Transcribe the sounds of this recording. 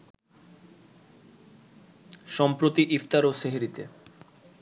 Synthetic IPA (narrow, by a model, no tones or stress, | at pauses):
ʃɔmpɾot̪iʔift̪aɾoʃeɦeɾit̪ḛ